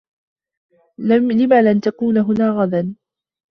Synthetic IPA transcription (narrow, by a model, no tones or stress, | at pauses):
lamlɪmalʔant̪akuːnaɦʊnaːɣad̪an